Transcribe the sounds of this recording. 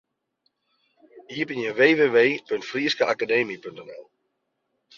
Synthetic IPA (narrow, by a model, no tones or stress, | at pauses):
hiəpinjəʋeːʋeːʋeːpøntfriːskəʔakadeːmipʏntɛnɛ̰lˠ